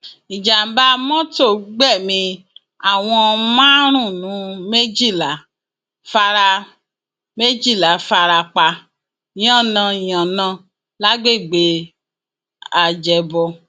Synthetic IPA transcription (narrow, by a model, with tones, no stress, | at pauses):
ĩ˨d͡ʒa˨ba˧mɔ̃˦to˦˨ɡ͡bɛ˦˨mĩ˧ | a˨w̃ɔ̃˧mã˦ɾ̃ũ˦˨nũ˨˦me˦d͡ʒi˦˨la˨˦ | fa˧ɾa˧ | me˦d͡ʒi˦˨la˨˦fa˧ɾa˧k͡pa˧˨˦ | ɔ̃˦˨nã˧˨jã˨nã˧˦ | la˦ɡ͡be˦˨ɡ͡be˨˦ | a˨d͡ʒɛ˨bɔ˧